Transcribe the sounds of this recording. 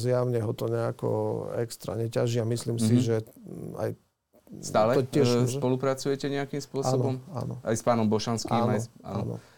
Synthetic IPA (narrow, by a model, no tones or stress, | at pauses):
zjaʊɲɛɦɔt̪ɔɲɛakɔ̰ɛkst̪ɾa̰ɲɛcaʒiamisliːmsiʒɛa̰j | st̪aːlɛt̪ɔcɪɛʒusʃpɔlupɾat͡sujɛcɛɲɛakimspʊɔasːɔnbɔma̰nɔ̰a̰jspaːnɔmbɔʃanskiamajɔa̰ɔnɔ̰